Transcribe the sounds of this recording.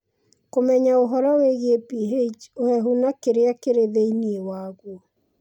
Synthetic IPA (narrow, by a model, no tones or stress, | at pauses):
komɛɲaoɦɔɾɔweɣepiɦet͡ʃohɛɦunakeɾeakeɾeðeiniewaːɣwo